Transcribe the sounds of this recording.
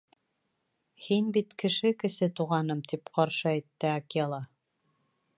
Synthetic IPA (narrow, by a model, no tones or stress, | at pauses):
hinbit̪kɘ̆ʃɘkɘ̆sɘt̪uʁɑnɤmt̪ipqɑɾʃɤæjt̪ːɘaklˠɑ